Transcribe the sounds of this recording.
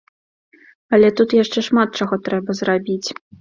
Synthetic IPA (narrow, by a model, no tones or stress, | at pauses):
ɐlʲɛt̪ut̪jaʂt͡ʂɛʂmat̪̚t͡ʂaɣɔt̪ɾɛbɐzrabʲit͡sʲ